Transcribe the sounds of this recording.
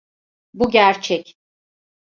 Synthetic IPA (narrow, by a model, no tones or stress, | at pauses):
buɟæɾt͡ʃʰɛc